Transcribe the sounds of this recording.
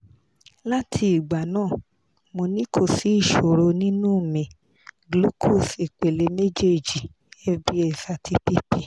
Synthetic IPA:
la˦tʰi˧i˨ɡ͡ba˨nãː˦˨ | mo˧nĩ˦kʰo˧˨si˨˦i˦˨ʃo˨ɾo˧nĩ˦nũ˦˨mĩ˨ | ɡlu˦kʰo˦˨si˨k͡pe˨le˨˦me˦d͡ʒe˦˨d͡ʒi˨ | ɛ˦bi˦ɛ˨sa˧tʰi˦pi˦pi˦

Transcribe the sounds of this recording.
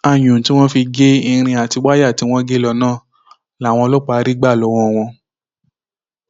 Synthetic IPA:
a˧˨j̃ũ˨ti˦w̃ɔ̃˦fi˧ɡe˦i˧ɾ̃ĩ˧a˨ti˧wa˦ja˦˨ti˨˧w̃ɔ̃˦ɡe˦lɔ˧nãː˦˨ | la˨˦˨w̃ɔ̃˧lo˦k͡pa˨˧˦ɾi˦ɡ͡ba˦˨lɔ˨˦wɔ̃˧w̃ɔ̃˧

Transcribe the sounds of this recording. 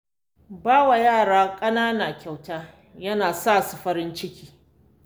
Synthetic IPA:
baː˦wa˨jaː˦˨ɽaː˦kʼɐ˦naː˦naː˨kʲa˨wtaː˦ | jɐ˦naː˨saː˦˨su˨ɸɐ˦ɾɪ˦nt͡ʃɪ˦kʲiː˦

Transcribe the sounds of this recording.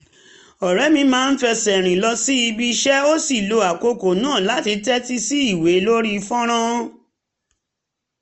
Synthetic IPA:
ɔ˨ɾɛ˨˦mĩ˧mãː˦˧n̩˦fɛ˧sɛ˨ɾ̃ĩ˨lɔ˧si˦i˧bi˧ʃɛ˦o˦si˦˨lo˧a˨ko˧ko˨nãː˦˨la˨˦ti˧tɛ˦ti˦si˦i˦˨we˨˦lo˦ɾi˦˧fɔ̃˦ɾ̃ã˦

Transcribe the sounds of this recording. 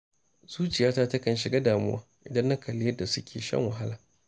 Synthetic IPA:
z̥uː˦t͡ʃɪ˨jaː˦taː˦tɐ˦kɐ˨nʃɪ˨ɡa˦daː˨mʊ˦waː˦ʔɪ˨dɐ˦nːɐ˦kʰɐ˨lɪ˦jɐ˦da˨sʊ˦kʲʰeː˨ʃɐ̰˦ŋwɐ˨ɦa˦laː˨

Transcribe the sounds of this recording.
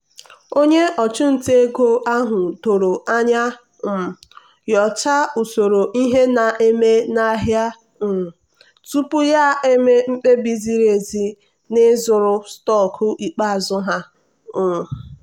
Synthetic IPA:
o˦ɲe˦ʔɔ˨t͡ʃʊ˦n̩˨te˦ɡo˦ʔa˦ɦʊ˨do˨ɾo˨ʔa˦ɲa˦˨ | jɔ˨t͡ʃa˦u˨so˨ɾo˨ʔi˦ɦe˦na˨ʔe˦me˦na˨˦ɦja˦ | m̩˨ | tu˦pʊ˦ja˦e˦me˦m̩˦k͡pe˦bi˦zi˦ɾe˨zi˦ | nɪ˦zʊ˨ɾʊ˦stɔ˦˨kʰʊ˦ʔi˨k͡pa˦˨zʊ˦ɦa˦˨

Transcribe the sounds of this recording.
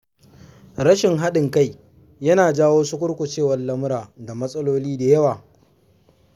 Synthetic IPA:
ɾɐ˦ʃɪ˨ŋɦa˦ɗɪ˨ŋka˦˨j | jɐ˦naː˨d͡ʒaː˦woː˦sʊ˦kʷʊ˦ɽkʷʊ˨t͡ʃeː˦wɐ˨lːɐ˦mʊ˦ɾaː˨da˨mɐ˦sʼɐ˦loː˦liː˦da˨jɐ˦waː˨

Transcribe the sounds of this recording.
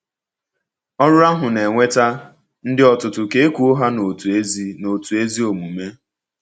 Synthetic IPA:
ɔ˦ɾʊ˦a˦ɦʊ˨ne˨ŋʷe˦ta˦ | n̩˦dɪ˦ɔ˦tʊ˨tʊ˨ke˨e˦kʷu˨o˦ɦa˦no˨tzi˦no˨tu˨e˦zi˦o˨mu˨me˦

